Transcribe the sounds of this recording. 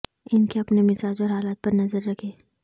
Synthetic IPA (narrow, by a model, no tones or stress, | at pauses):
ɪnkeɐpnemɪsaːd͡ʒɔːɾɦaːlaːt̪̚pɐɾnɐzəɾːɐkʰeː